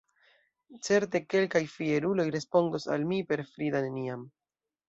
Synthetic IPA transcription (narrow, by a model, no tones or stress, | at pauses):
t͡se̞ɾt̬e̞ke̞lkajfieɾulo̞jɾe̞spo̞ndosa̰lmipe̞ɾfɾid̪aneniam